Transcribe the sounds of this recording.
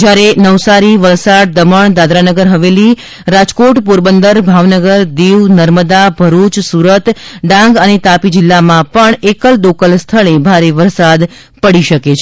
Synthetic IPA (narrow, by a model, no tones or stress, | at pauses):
d͡ʒjaɾenəʋsaɾiʋəlsaɽ̚d̪əməɳd̪ad̪ɾanəɡəɾɦəʋeli | ɾad͡ʒkoʈpuɾbənd̪əɾbʱaʋnəɡəɾd̪eʋnəɾməd̪abʱəɾut͡ʃsuɾət̪ɖãŋɡənet̪apid͡ʒɪlːamãpəɳekəld̪okəlst̪ʰəɭebʱaɾeʋəɾsad̪ | pəɽiʃəket͡ʃʰ